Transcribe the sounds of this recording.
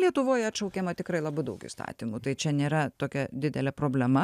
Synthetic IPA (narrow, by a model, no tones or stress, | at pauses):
lʲiɛt̪ʊʋoːjɛɐtʃɐʊkʲeːmɐt̪ʲɪkɾɐɪlˠɐbɐɪd̪ɐʊkḭːst̪ɑ̰ːt̪ʲiːmut̪ɐɪt͡ʃʲɛnʲeːɾɐt̪oːkʲɛd̪ʲɪd̪ʲɛlʲɛpɾoːbʲlʲɛmɐ